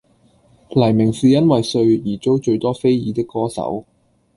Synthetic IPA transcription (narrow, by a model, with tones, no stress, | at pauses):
lɐ˨˩jmɪ˨˩ŋsiː˨jɐ˥nwɐ˨jsɵ˧ɥjiː˨˩t͡ʃo˥wt͡ʃɵ˧ɥt̪ɔː˥fe˥jjiː˨˧t̪ɪ˥kːɔː˥sɐ̰˨˥w